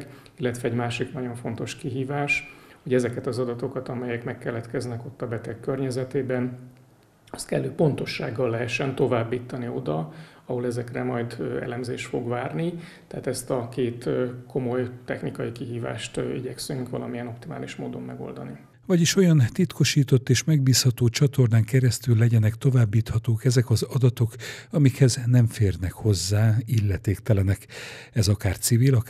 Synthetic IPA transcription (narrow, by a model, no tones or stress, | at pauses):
k | ilːɛt̪ʋɛɛɟmaːʃiknɒɟo̞ɱfo̞nt̪o̞ʃkiɦiːvaːʃho̞ɟɛzɛkɛt̪ɒzɒd̪ɒt̪o̞kɒt̪ɒmɛjɛkmɛkːɛlːɛt̪kɛznɛko̞t̪ːɒbɛt̪ɛkːørɲɛzɛt̪eːbɛn | ɒ̥st̪kɛlːøːpo̞nt̪o̞ʃːaːɡːɒlːɛɦɛʃːɛnt̪o̞vaːbːiːt̪ːɒnio̞̰d̪ɒ | ɒɦo̞lɛzɛkrɛmɒjd̪ɛ̰lɛmzeːʃt̪fo̞ɡvaːrnit̪ɛaːt̪ɛst̪ɒkeːt̪ːko̞mo̞jt̪ɛxnikɒjikiɦiːva̰ːʃt̪ːiɟɛksyŋkʋɒ̰lɒmijɛno̞p̚t̪imaːliʃmoːd̪o̞mːɛɡo̞̰ld̪ɒni | vɒɟiʃo̞jɒnt̪it̪ko̞ʃiːt̪o̞t̪ːeːʃmɛɡ̚biːshɒt̪oːt͡ʃɒt̪o̞rnaːŋkɛɾɛst̪ylːɛɟɛnɛkt̪o̞vaːbːiːt̪hɒt̪oːkɛzɛkɒzɒd̪ɒt̪o̞kɒmikhɛznɛɱfeːrnɛkho̞zːaːilːɛt̪eːkt̪ɛlɛnɛkɛzɒkaːrt̪sivilɒk